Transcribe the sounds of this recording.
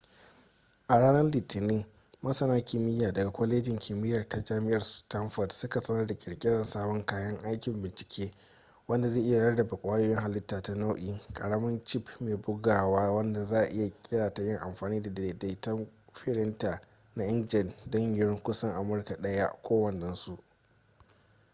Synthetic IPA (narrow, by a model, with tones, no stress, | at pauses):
ʔa˨ɽaː˦nɐ˦rliː˨tʰɪ˨nɪ˦ŋ | mɐ˦sɐ˨naː˦kʲɪ˨mɪ˦jaː˨dɐ˨ɡa˨kʷɐ˦leː˦d͡ʒɪ˨ŋkʰʲi˨mɪ˦jɐ˨rta˦d͡ʒaː˦mɪ˦ʔɐ˨rstɐ˦mɸɐ˨tsʊ˦ka˨sɐ˦nɐ˦rda˨kʲʼɪ˨ɽkʲʼɪ˦ɽɐ˨nsaː˦bɔ˦ŋkaː˦jɐ˦ŋʔa˦jkʲɪ˨mbɪ˨nt͡ʃɪ̥˨kʲʰeː˦ | wɐ˦nda˨zeː˦˨ʔɪ˦ja˨ɽɐ˦rdɐ˨ba˨kʷʼaː˦joː˦jɪ˦ŋha˨lɪ˦tːaː˨ta˦na˦wʔiː˦˨kʼɐ˨ɽɐ˦mɐ˦nt͡ʃɪ˦˨pmeː˨bʊ˦ɡaː˨waː˦wɐ˦nda˨zaː˦ʔʔɪ˦ja˨kʲʼɪ˦ɽaː˨ta˨jɪ˦ŋʔa̰˨mɸaː˨niː˦da˨de˨da˦tɐ˦m | ɸɪ˦ɽɪ˦ntaː˨ | na˦ʔɪ˦nd͡ʒɪ˨ndɐ˦ɲjɾŋkʷʊ˦sɐ˦ŋʔa˨mʊ˦rka˨ɗɐ˦ja˦kʷoː˦wɐ˨nːɐ˦nsu˨ʔ